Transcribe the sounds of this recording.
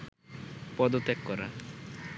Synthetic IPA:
pɔd̪ot̪ekːɔɾa̰

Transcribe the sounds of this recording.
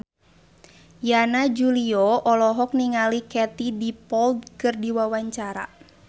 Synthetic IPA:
janad͡ʒuliɔɔlɔɦɔk̚niŋalikɛt̪idipɔld̪̚kɨrdiwawaɲt͡ʃaɾa̰

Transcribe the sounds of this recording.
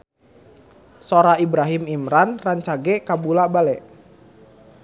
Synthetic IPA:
soɾaibɾaɦimimɾanraɲt͡ʃaɡɛkabulabalɛʔ

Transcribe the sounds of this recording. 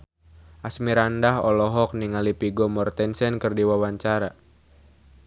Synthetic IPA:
ʔasmiɾandaɦɔlɔɦɔk̚niŋalipiɡɔmɔrt̪ɛnsɛnkɨrdiwawaɲt͡ʃaɾa

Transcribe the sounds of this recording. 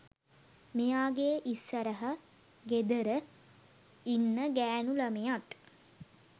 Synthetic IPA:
mejaːɡeːʔisːəɾəɦə | ɡed̪əɾə | inːəɡæːnuləmejat̪

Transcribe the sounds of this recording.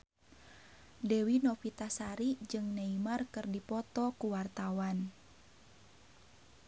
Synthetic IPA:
dɛwinɔfit̪asaɾid͡ʒɨŋnaimarkɨrdipɔt̪ɔkuwart̪awan

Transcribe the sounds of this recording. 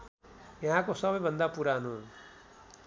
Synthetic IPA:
jʌɦãkosʌbʌjbʱʌnd̪apuɾaɦnu

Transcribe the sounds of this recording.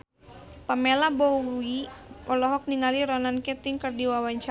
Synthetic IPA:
pamelabɔuuiɔlɔɦɔk̚niŋaliɾɔnankɛt̪iŋkərdiwawaɲt͡ʃa

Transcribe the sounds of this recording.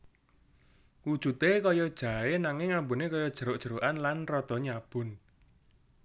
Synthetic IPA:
wud̥ʒ̥ṳt̪ekɔjɔd̥ʒ̥a̤enaŋɪŋambunekɔjɔd̥ʒ̥ə̤ɾoʔd̥ʒ̥ə̤ɾoʔanlanrɔd̪̥ɔ̤ɲab̥ʊ̤n

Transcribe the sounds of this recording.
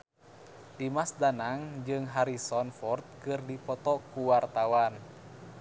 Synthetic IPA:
dimasdanaŋd͡ʒɨŋɦaɾisɔnfɔrt̪̚kɨrdipɔt̪ɔkuwart̪awan

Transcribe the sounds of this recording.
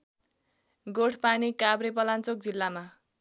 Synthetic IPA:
ɡoʈʰpanikabɾep̬ʌlant͡sok̚d͡zilːama

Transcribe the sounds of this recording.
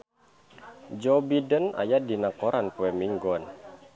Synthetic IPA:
d͡ʒɔbidəna̰jadinakɔɾanpuɛmiŋɡɔn

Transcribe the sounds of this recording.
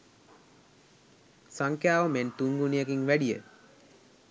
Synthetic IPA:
saŋkjaːʋəment̪uŋɡunijəɡiŋʋæɖijə̰

